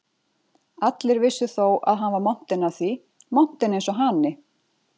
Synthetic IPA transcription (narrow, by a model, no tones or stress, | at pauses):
at̪lɪɾvɪsːʏθowʔa̰ðɦanvaɾmɔn̥t̪ɪnaθvi | mɔn̥t̪ɪnejnsɔɦanɪ